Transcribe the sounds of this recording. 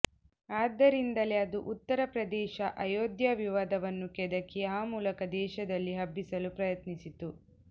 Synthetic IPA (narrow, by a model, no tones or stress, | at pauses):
aːd̪ːɐɾind̪ɐleɐd̪uʔut̪ːɐɾɐpɾɐd̪ɛːʃɐʔɐjoːd̪jɐʋiʋaːd̪ɐʋɐnːukɛd̪ɐkːiaːmuːlɐkɐd̪ɛːʃɐd̪ɐlːiɦɐbːisɐlupɾɐjɐt̪nisit̪u